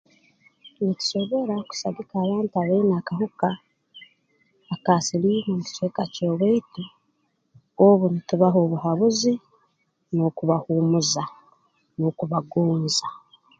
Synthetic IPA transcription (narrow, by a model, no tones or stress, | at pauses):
nici̥so̞βo̞ɾaku̥saɡikaːβaːntiaβainakaɦuka | kasilimomuci̥t͡ʃekaco̞ːβweitu | oβunituβaɦo̞ːβuhaβuzi | nokuβahuːmuza | nokuβaɡoːnza